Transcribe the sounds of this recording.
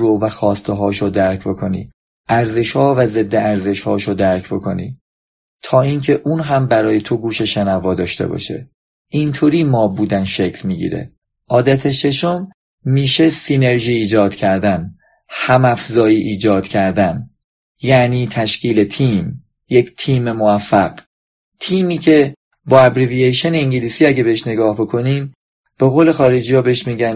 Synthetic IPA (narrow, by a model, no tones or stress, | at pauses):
ɾovæxɒːst̪ʰeɦɒːʃod̪æɾcʰbo̞kʰo̞nḭː | ʔæɾze̞ʃhɒːvæze̞d̪ːeæɾze̞ʃhɒːʃod̪æɾcʰbo̞kʰo̞̰nḭː | t̪ʰɒːincʰe̞ʔuːnɦæmbæɾɒːjet̪ʰoɡuːʃe̞ʃenævɒːd̪ɒːʃt̪e̞̰bɒ̰ːʃḛ | ʔint̪ʰoːɾiːmɒːbuːd̪ænʃe̞cʰlmiːɟḭːɾḛ | ʔɒːd̪æt̪ʰeʃe̞ʃo̞mː | iːʃe̞sine̞ɾʒiːd͡ʒɒːd̪̥cʰæɾd̪æn | hæmæfzɒːjiːʔiːd͡ʒɒːd̪̥cʰæɾd̪æn | jæniːt̪ʰæʃcʰiːle̞t̪ʰiːm | jecʰt̪ʰiːmemovæfːæɢ̥ | t̪ʰiːmiːcʰe̞ | bɒːæbɾiviejʃeneiŋɟiliːsiːæɟe̞beeʃne̞ɡɒːhbo̞kʰo̞niːm | b̥e̞ɣoːle̞xɒːɾed͡ʒiːjɒːbeeʃmiːɟæn